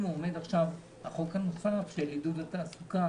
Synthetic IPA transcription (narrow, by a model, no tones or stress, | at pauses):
muome̞daχʃav | haχokhano̞safʃelidudat̪aːsuka